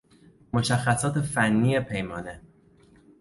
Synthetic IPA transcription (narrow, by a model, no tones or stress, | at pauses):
mo̞ʃæxːæsɒːt̪ʰe̞fænːiːepʰe̞jmɒːne̞